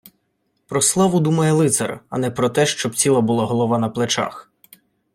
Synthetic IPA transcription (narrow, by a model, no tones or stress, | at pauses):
pɾɔslˠɑʋʊd̪umɐjɛlˠɪt̪sɐ̰rɐ̰nɛpɾɔt̪ɛʃt͡ʃɔb̚t͡sʲilˠɐbʊlˠɑɦɔlˠɔʋɑnɐplˠet͡ʃɑ̰x